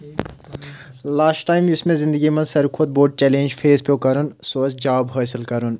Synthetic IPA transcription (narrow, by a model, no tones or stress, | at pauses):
laːsʈʈaːjmjʊsmẽzɪ̃nd̪əɡimɐ̃nsɐɾkʰod̪̚boːɖ̚t͡ʃɛːlẽːnd͡ʒfʰeːzpoːkɐɾunsoːsd͡ʒaːbɦaːsɪlkɐɾun